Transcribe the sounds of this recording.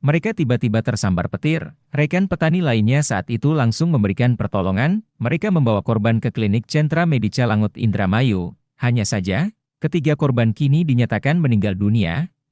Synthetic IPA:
məɾekat̪ibat̪ibat̪ərsamba̰rpət̪ɪr | rɛkanpət̪anilainɲasaʔat̪it̪ulaŋsʊŋməmbəɾikanpərt̪ɔlɔŋanməɾekaməmbawakɔrbankəklinɪk̚t͡ʃɛnt̪ɾamedit͡ʃalaŋʊt̪ḭnd̪ɾamaju | haɲasad͡ʒa | kət̪iɡakɔrbankinidiɲat̪akanməniŋɡaldunia̰

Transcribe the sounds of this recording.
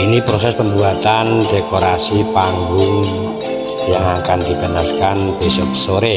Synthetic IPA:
inipɾosɛspəmbuat̪and̥ekoɾasipaŋɡʊŋ | jaŋakand̪ib̥ə̤naskanb̥esɔkə̥soɾe

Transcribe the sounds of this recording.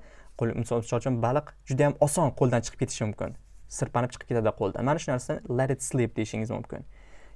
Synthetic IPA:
qomɪsɒʃɒlˠt͡ʃʰɪmbalˠɨqd͡ʒʊd̪ajamɒsɒnqʰolˠd̪ant͡ʃʰɨ̥qʰɨ̥pkʰʲeɪ̥ʃɪmʊmkʲɪ̰nsɪɾpanɪpt͡ʃʰɨ̥qʰɨ̥pket̪ʰad̪ɪqʰolˠd̪a̰nmanaʃʊnaɾsad̪ɪlˠaɾɪt̪slˠip̚d̪ejɪʃɪŋɪzmʊ̰mkʲɪ̰n

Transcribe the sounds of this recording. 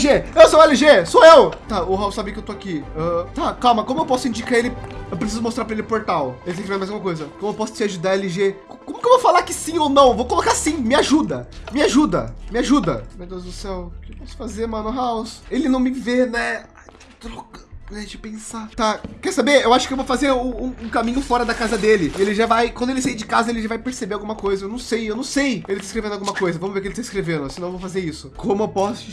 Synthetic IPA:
ʒeewsowɛliʒesoewt̪aʊɦawsabɪkewt̪oakiɛt̪akawmɐkõmʊewpɔsʊĩɲd͡ʒikaelɪewpɾesizʊmost̪ɾaɾpɾɐelɪpoɾt̪awelɪtẽkvezmajzɡumɐkojzɐkõmʊewpɔsʊ̥t͡ʃɪaʒud̪aɾɛlɪʒekkõmʊkewvowfalaɾkɪsĩownɐ̃w̃vowkolokasĩmɪaʒud̪ɐmɪaʒud̪ɐ̰mɪaʒud̪ɐ̰mewd̪ewzd̪ʊsɛwkɪpɔsʊ̥fazeɾmɐ̃nʊɦawselɪnɐ̃w̃mɪvenɛ | t̪ɾɔkɐnɛd͡ʒɪpẽsat̪akɛɾsabeewaʃʊkɪewvowfazeɾũũũkamĩɲʊfɔɾɐd̪ɐkazɐd̪elɪɪelɪʒavajkwɐ̃d̪ʊelɪsaid͡ʒɪkazɐelɪʒavajpeɾsebeɾawɡũmɐkojzɐewnɐ̃w̃sejewnɐ̃w̃sejelɪt̪aɪskɾevẽnd̪awɡũmɐkojzɐvɐ̃mʊzveɾkɪelɪt̪aɪskɾevẽnd̪ʊsɪnɐ̃evowfazeɾisʊkõmʊewpɔsʊ

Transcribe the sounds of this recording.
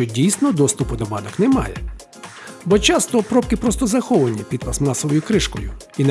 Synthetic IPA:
ɔdʲijsnɔd̪ɔst̪ʊpʊd̪ɔbɑd̪ɔknɛmɑ̰jɛ | bɔt͡ʃɑst̪ɔpɾɔpkɪpɾɔst̪ɔzɐxɔʋɐnʲipʲid̪pɐsmɑsɔʋɔjʊkɾɪʃkɔjʊ̰ | in

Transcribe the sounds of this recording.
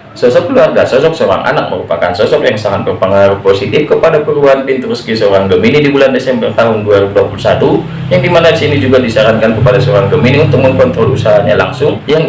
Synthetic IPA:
sɔsɔk̚luarɡasɔsɔk̚soɾa̰ŋʔa̰nak̚məɾupakansɔsɔk̚jaŋsaŋat̪̚bərpəŋaɾuhposit̪ɪfkəpadapəɾuanpint̪ɾuskisoɾaŋɡəminidibulandesɛmbərt̪aɦʊnduaɾibuduapulusat̪u | jaŋdimanadisinid͡ʒuɡadisaɾankankəpadasoɾaŋɡəminiunt̪ʊk̚məŋkɔnt̪ɾɔlusaɦaɲala̰ŋsʊŋjaŋ

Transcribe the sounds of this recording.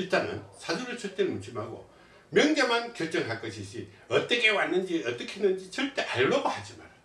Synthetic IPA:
it͈anɯ̰nsʰaduɾɯɭsʰuɭt͈eɾmunɕʰimɦaɡo̰ | mjʌŋd͡ʑamankjʌɭt͡ɕ͈ʌŋɦaɭk͈ʌɕʰiɕ͈i | ʌt͈ʌkʰewanːɯnd͡ʑiʌt͈ʌkʰenːɯnd͡ʑit͡ɕʌɭt͈eʔaɭːʌɡohad͡ʑima̰ɾ

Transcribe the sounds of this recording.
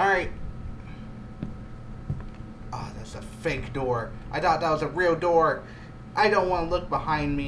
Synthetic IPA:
ɹaɪt̚ | ʔʌðætsɨfeɪkd̥ɔɹ | ʔaɪθɔt̪̚ðət̚wʌzɨɹilˠdɔɹ | ʔaɪdõʊ̃nʔ̚wɑ̃nəlʊk̚b̥əhãɪ̃nmi

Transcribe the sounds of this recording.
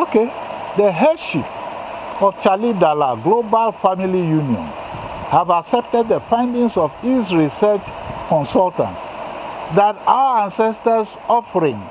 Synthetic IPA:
oke | dəɦaʃip | ɔft͡ʃalidalaɡlobalfamilijuniɔ̰̃nhavaksɛp̚tɛd̚dəfãɪ̃ndĩŋsɔvisɹisɛt͡ʃkɔ̃nsɔltã̰ntsdata̰wəãnsɛstəs | ɔfəɹĩŋ

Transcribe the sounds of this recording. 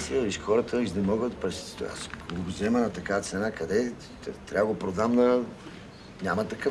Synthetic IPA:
siəisxɔɾət̪ʰəiznɛmɔɡət̪pɾɛst̪a̰skoɡozɛmənɐt̪ɐkavət̪sɛnakɐd̪ɛ | t̪t̪ːɾʲavəɡopɾod̪amd̪ɐ | nʲamɐt̪ɐkə

